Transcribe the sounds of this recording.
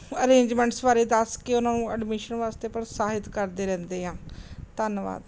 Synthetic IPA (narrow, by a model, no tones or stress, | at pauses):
əɾẽːɲd͡ʒmɛ̃ːɳʈsbaːɾeːd̪əskɪʊnãːnũːəɖmɪʃənʋaːst̪eːpəɾsaːɦɪt̪kəɾd̪eːɾɛ̃ːnd̪eːɦãːt̪ənʋa̰ːd̪